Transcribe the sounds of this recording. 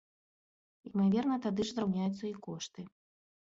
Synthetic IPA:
imavʲɛrnɐt̪ad̪ɨʐzɾawnʲajut̪sːɐikɔʂt̪ɨ

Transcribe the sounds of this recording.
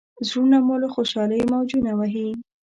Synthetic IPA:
zɾunamoloxoʃɑləjmawd͡ʒunawaɦi

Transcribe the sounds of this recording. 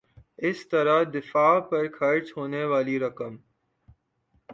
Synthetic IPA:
ɪst̪ɐɾad̪ɪfaːpɐɾkʰɐɾt͡ʃɦoːneʋaːliɾɐkəm

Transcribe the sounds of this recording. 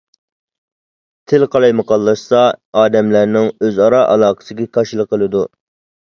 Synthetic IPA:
t̪ʰɪlqʰɑlˠɑjmɨqʰɑlˠːɑʃsɑɑːd̪ɛmlæɾnɪŋøzɑɾɑʔɑ̰lˠɑːqʰə̥sɨɡʲɛkʰɑʃilˠəqːəlˠɨd̪u

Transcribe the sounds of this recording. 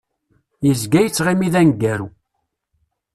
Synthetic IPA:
jəzɡæjət͡sːʁimiðænɡːæɾu

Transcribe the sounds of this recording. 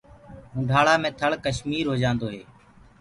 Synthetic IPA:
ɦũːɖʱaːɭaːmẽːt̪ʰəɭkəʃmiːɾɦoːd͡ʒãːnd̪oːɦḛː

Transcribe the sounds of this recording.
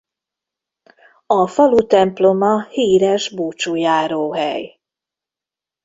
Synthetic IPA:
ɒfɒlut̪ɛmplo̞mɒhiːɾɛʒbuːt͡ʃujaːɾoːɦɛ̰j

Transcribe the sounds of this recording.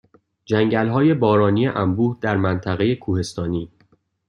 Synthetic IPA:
d͡ʒæŋɟælɦɒːje̞bɒːɾɒːniːjeʔæmbuːhd̪æɾmænt̪ʰæɣe̞je̞kʰuːhe̞st̪ɒːniː

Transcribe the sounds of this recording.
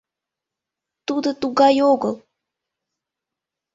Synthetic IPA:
t̪ud̪ət̪uɣɑjoɣəlˠ

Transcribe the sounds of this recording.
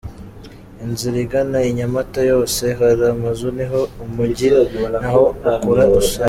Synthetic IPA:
inziɾiɡanaiɲamatajo̞ːse̞ɦaɾamazuniɦoumuɟinahoakuɾa

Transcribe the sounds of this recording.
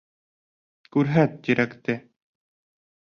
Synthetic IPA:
kʉɾɦæt̪̚d̪iɾʔækt̪ɘ

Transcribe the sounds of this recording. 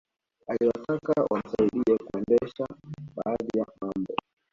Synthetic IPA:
aliwatakawʔa̰m̩saiɗiɛkuɛndɛʃaɓaːðijamambɔ

